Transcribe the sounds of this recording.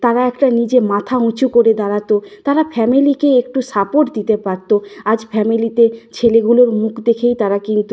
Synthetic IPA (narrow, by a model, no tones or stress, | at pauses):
t̪aɾaɛkʈanid͡ʑemat̪ʰaũt͡ɕukoɾed̪aɾat̪ot̪aɾafʰɛmilikeekʈusapoʈd̪it̪epaɾt̪oad͡ʑfɛmilit̪et͡ɕʰeleɡuloɾmukʰd̪ekʰejt̪aɾakint̪u